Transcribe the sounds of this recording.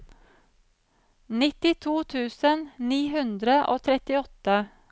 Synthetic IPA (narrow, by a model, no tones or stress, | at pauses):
nɪt̪ɪt̪ʰuːt̪ʰʉːsənniːɦʉnd̪ɾəʔoːt̪ʰɾɛt̪ɪɔt̪ə